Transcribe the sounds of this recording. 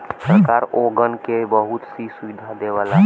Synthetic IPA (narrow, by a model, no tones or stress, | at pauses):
səɾkaɾoɡənkebəɦut̪sisuid̪ʱad̪eʋala